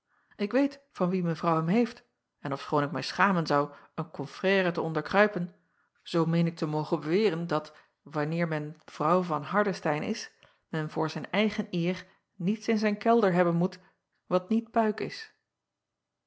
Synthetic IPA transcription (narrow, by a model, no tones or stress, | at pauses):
ʔɪkʋejtfɑnʋimənvrʌwɦɛmɦejft | ɛnɔfsχoːnɪk̚mɛjsχaːmənzɑwənkɔnfrɛːratəɔndəɹkrœɥpən | z̥owmejnɪk̚təmowχəbəʋɪːrəndɑt | ʋɑnɪːɹmɛnv̥rʌwvɑnɦɑɹdəstɛjnɪ̰s | mɛnvʊːɹzɛjnɛjχənɪːr | nitsɪnzɛjnkɛlˠdəɹɦɛbənmut | ʋɑtnit̚pœɥkɪs